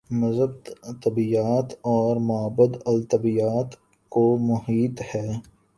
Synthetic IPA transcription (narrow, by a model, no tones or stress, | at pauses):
mɐzəb̚t̪t̪ɐbijaːt̪ɔːɾmʊəbəd̪ɐlt̪əbijaːt̪ | komʊɦiːt̪hɛː